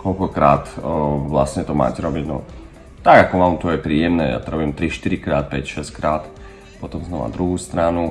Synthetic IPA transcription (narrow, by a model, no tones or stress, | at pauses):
kɔʎkɔkɾaːt̪ʋlasɲɛt̪ɔma̰ːcɛɾɔbiɟnɔ̰ | t̪aɡakɔmamt̪ɔjɛpɾiːjɛmnɛːja̰t̪ɔɾɔbimt̪ɾiʃt̪iɾikɾaːt̪̚pɛcʃɛskɾaːt̪ | pɔt̪ɔmznɔʋa̰d̪ɾuɦuːst̪ɾanu